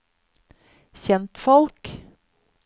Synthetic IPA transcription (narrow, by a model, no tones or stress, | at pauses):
çɛnt̪fɔlk